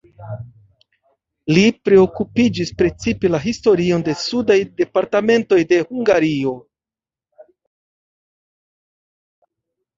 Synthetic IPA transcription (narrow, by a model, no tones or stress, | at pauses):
lipɾe̞o̞kupid͡ʒispɾe̞t͡sipe̞laɦisto̞ɾio̞nde̞sudajde̞paɾtame̞nto̞jde̞huŋɡaɾio̞